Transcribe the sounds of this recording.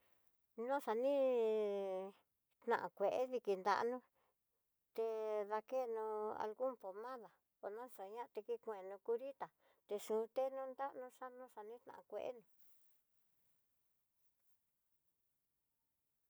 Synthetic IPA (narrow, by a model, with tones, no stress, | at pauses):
nõ˦ʂa˧nĩ˦ | t̪nã̰˨ʔã˨kʷe˨ʔe˦ði˧ki˧˨nd̪a̰˧nũ˦ | t̪e˧ða˧ke˦˨nũ˧a̰˧lɣu˦mpo˨mã˦ða˨ | o˨nã˦so˨ɲã˦˧t̪e˧ki˧kʷẽ˨nũ˧ku˧ɾi˦t̪a˨ | t̪e˧ʂũː˨˦˧t̪e˦nũ˦nd̪a˦ʔnũ˧˦ʂa˦nũ˦ʂa˧nĩ˦t̪nã̰˨ã˨˧kʷḛ˧ʔḛ˦nũ˧